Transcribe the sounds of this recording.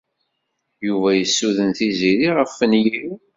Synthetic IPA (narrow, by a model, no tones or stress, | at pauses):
juvæjəsːuðənθiziɾiʁəfːənji